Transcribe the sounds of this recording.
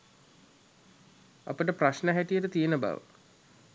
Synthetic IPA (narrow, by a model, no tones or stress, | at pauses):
a̰pəʈəpɾaʃnəɦæʈijəʈət̪ijenəba̰ʋə̰